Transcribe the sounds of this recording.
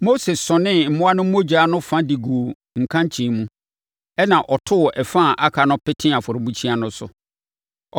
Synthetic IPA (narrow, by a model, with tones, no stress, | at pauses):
mo˦se˨sɔ̃˨nɪ̃˦m̩˨mʊ̃˦a˦nʊ̃˦mo˦d͡ʑa˨˦nʊ̃˦fã˦di˨ɡu˨o˨ | ŋ̩˨kʰã˦ɲ˦t͡ɕʰĩ˨mũ˦ | ɛ˦nã˨ʔɔ˨tʰʊ˦˨ʔɛ˨fã˦˨ʔa˦kʰa˨nʊ̃˦pɪ˦tʰɪ̃˦a˨fʊ˨ɾʊ˨bũ˦t͡ɕʰĩ˦a˨nʊ̃˦sʊ̰˨